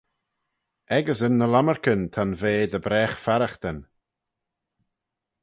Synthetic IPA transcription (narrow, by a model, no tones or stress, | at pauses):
ɛɡəsənːəlaməɹkənt̪ʰanveːd̪əbɾɛːxfaɾaxt̪ən